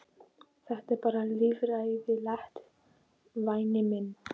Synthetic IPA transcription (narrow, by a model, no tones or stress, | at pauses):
θaht̪ɛɾpaːɾalivɾajðɪlaht̪ | vajnɪmɪn